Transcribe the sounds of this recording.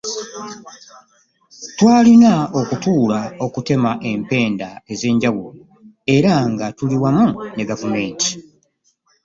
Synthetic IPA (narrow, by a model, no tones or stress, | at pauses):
twaːlinao̞kutuːlao̞kute̞maʔe̞mpe̞ːndae̞ze̞ːɲɟawulo | e̞ɾaŋɡatuliwamune̞ɡavume̞ːti̥